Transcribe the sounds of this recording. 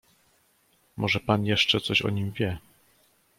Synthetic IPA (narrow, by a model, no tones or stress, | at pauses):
mʔɔʐɛpanjɛʂt͡ʂɛt̪sɔɕɔ̰ɲimvʲjɛ